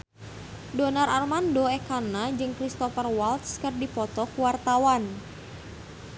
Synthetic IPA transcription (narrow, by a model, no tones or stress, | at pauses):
donararmandoɛkanad͡ʒɨŋkɾist̪ɔfərwalt̪skərdipɔt̪ɔkuwart̪awan